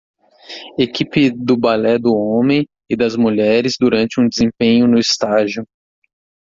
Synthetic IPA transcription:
ekipɪd̪ʊbalɛd̪ʊõmẽj̃ | ɪd̪ɐzmuʎɛɾɪzd̪uɾɐ̃nt͡ʃɪũd͡ʒɪzẽpẽɲʊnʊist̪aʒiʊ

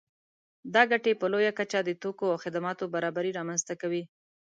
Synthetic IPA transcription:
d̪ɑɡaʈepəlojakat͡ʃad̪ət̪okoawxɪd̪amɑt̪obaɾɑbaɾiɾɑmanzt̪akawi

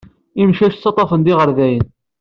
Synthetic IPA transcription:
imʃæʃt͡sːɑt̪ˤːɑfənd̪iʁəɾðæjən

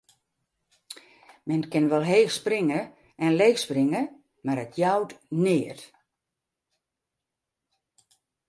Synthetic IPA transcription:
mɛnkɪnʋɔlˠɦeːxsprɪŋə | ɛnleːxsprɪŋə | maɾətʰjawtnɪət

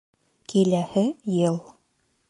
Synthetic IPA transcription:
kʰilæhɘjɤlˠ

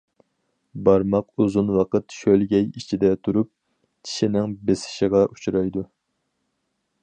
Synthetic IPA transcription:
bɑɾmɑquzunwɑqət̪ʃølɡʲɛjit͡ʃʰid̪ɛt̪ʰuɾup̚ | t͡ʃʰi̥ʃɪnɪŋbesɪ̥ʃɪʁɑʔu̥t͡ʃʰɾɑjd̪u

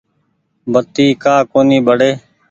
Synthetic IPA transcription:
bʱət̪iːkaːkoːniːbəɽeː

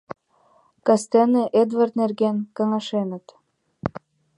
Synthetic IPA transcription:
kɑst̪eneʔed̪vart̪nerɣenkɑŋɑʃenə̆t̪

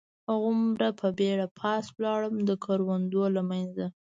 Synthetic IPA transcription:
aɣʊmɾapʰəbeɽapʰɑswlɑɽəmd̪əkʰɑɾwand̪olamanza

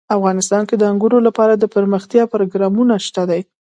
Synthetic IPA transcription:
afɣɑnɪst̪ɑnked̪əaŋɡuɾolapɑɾad̪əpəɾməxt̪jɑpaɾoɡɾɑmunaʃt̪ad̪aj

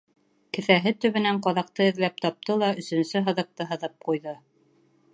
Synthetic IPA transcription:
kɘ̆θæɦɘt̪ɵ̆βɘ̆næɴqɑðɑq̚t̪ɤɘ̆ðlæp̚t̪ɑp̚t̪ɤlˠɑɵ̆sɵ̆nsɵɦɤ̆ðɤ̆q̚t̪ɤɦɤ̆ðɤp̚qujðɤ

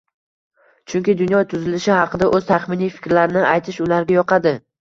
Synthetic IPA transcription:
t͡ʃʰʊŋkʲɪd̪ʊnjɒt̪ʰʊzɪlɪʃɪhɑqʰɨd̪aʔɵz̥t̪ʰaχmɪnijfɪ̥kʲɾlaɾɪnɪʔajt̪ʰɪʃʊlaɾɡʲajɒqʰɑd̪ɪ

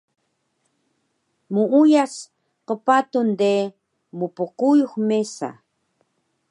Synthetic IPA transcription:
muujas | qəpat̪und̪e | mupuqujuxmesa̰

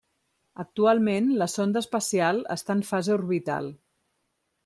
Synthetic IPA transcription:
ək̚t̪ualˠmenləsond̪əspəsialˠə̰st̪aəɱfazeuɾβit̪a̰lˠ

